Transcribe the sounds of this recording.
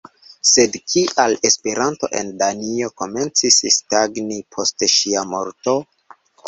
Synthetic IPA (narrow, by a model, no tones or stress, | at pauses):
se̞dkʰiʔale̞spe̞ɾanto̞̰ʔe̞̰ndanio̞ko̞me̞nt͡sisstaɡnipʰo̞steʃiamo̞ɾto̞